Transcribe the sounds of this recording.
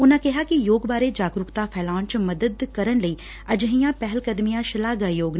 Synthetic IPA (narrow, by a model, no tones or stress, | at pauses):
ʊnãːkɪɦaːkɪjoːɡbaːɾeːd͡ʒaːɡɾʊkt̪aːpʰɛːlaːnt͡ʃməd̪əd̪kəɾənləiː | əd͡ʒɦijãːpɛɦəlkəd̪mijãːʃəlaːɡaːjoːɡn